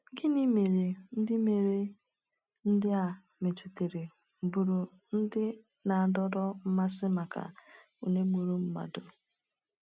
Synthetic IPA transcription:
ɡɪ˦ni˦me˨ɾe˨n̩˦dɪ˦me˨ɾe˦ | n̩˦dɪ˦a˨ | me˨tu˨te˨ɾe˨ | m̩˨bu˨ɾu˨ | n̩˦dɪ˦ | na˨a˨dɔ˦dɔ˦m̩˦ma˦sɪ˦ma˨ka̰˨ | u˨ne˦ɡ͡bu˨ɾu˦m̩˦ma̰˨do˨

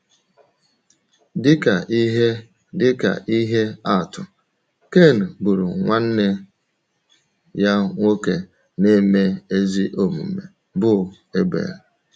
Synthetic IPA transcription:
dɪ˦ka˨i˦ɦe˦ | dɪ˦ka̰˨ʔi˦ɦe˦a˦˨tʊ˨ | ke˦˨n̩˨bu˨ɾu˨ŋʷa˦n̩˦ne˦ | ja˦ŋʷo˦ke˨ | ne˦me˦e˦zi˦ʔo˨mṵ˨mḛ˨ | bʊ˦ | e˦ɡ͡bḛ˨ɾe˨

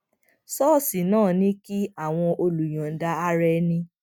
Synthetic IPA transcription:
sɔ˦˨si˨nãː˦˨nĩ˦ki˦a˦˨w̃ɔ̃˧ʔo˧lu˨j̃ã˨n̩˨da˧a˦ɾɛ˧˦nĩ˧

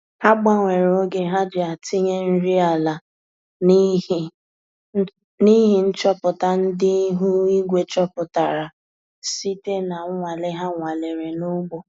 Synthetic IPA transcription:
ha˦ɡ͡ba˦ŋʷe˨ɾo˦ɡe˦ɦa˦d͡ʒɪ˨a˨ti˦ɲe˦n̩˦ɾi˦a˨la˨ | n˦˨˦ | ni˦ɦɪ˨n̩˦t͡ʃɔ˦pʊ˨ta˨n̩˦dɪ˦ɦu˦i˦ɡʷe˨t͡ʃɔ˦pʊ˨ta˨ɾa˨ | si˦te˦na˨˦ŋʷa˨le˦ɦa˦ŋʷa˨le˨ɾe˨nu˦ɡ͡bo˨

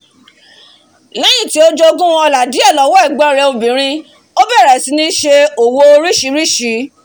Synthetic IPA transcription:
lɛ˦jĩ˦˨ti˨˦o˦d͡ʒo˧˦˧ɡũ˦w̃ɔ̃˧ɔ˧la˨di˨˦ɛ˦˨lɔ˨˦wɔ˦ɛ˦˨ɡ͡bɔ˦˨ɾɛ˧o˧bĩ˨ɾ̃ĩ˧ | o˦bɛ˦˨ɾɛ˨si˨˦nĩ˧˦ʃe˧o˨wo˧o˧ɾi˦ʃi˨˧˦ɾi˦ʃi˨˦

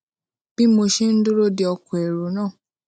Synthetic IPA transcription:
b̥i˦mo˧ʃe˦n̩˦du˦ɾo˦di˦ɔ˧kɔ̃˨e˨ɾo˨˦nãː˦˨

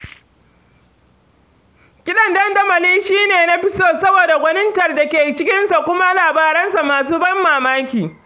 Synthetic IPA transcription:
kʲɪ˦ɗɐ˨ndɐ˦ndɐ˦mɐ˨liː˦ʃiː˦neː˨na˦ɸɪ˦soː˦sɐ˦boː˨da˨ɡʷɐ˦nɪ˦ntɐ˨rda˨kʲeː˨t͡ʃɪ˦kʲɪ˦nsa˨kʷʊ˦ma˦laː˨baː˦ɾɐ˦nsa˨maː˨s̬uː˦bɐ˦mːaː˨maː˦kʲiː˨

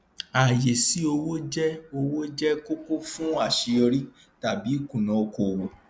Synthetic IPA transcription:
a˨je˨si˨˦o˧wo˦d͡ʒɛ˦o˧wo˦d͡ʒɛ˦ko˦ko˦fũ˦a˦˨ʃe˧ɔ˧ɾi˦ | ta˨bi˨˦kũ˦˨nã˨o˧ko˨wo˨

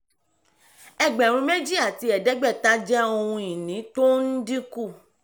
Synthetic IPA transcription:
ɛ˦˨ɡ͡bɛ˨ɾ̃ũ˧me˦d͡ʒi˦a˦˨ti˧ɛ˨dɛ˨˦ɡ͡bɛ˦˨ta˦d͡ʒɛ˦o˧hũ˧i˨nĩ˨˦to˦n̩˦di˦ku˦˨

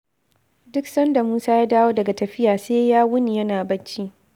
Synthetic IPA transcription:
dʊ˦ksɐ˦nda˨muː˦saː˦jaː˦daː˦woː˦dɐ˨ɡa˨tɐ˨ɸɪ˦jaː˨seː˦jaː˦wʊ˦ni˨jɐ˦naː˨bɐ˦nt͡ʃi˦ʔ

